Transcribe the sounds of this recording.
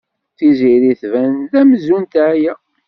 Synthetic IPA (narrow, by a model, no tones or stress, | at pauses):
θiziɾiθvænðæmzunt̪æjæ